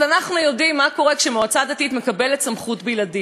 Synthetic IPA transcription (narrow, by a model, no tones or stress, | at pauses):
anaχnujo̞dimːako̞ʁe̞kʃemoat͡sad̪atit̪me̞kabeletsamχutbijladi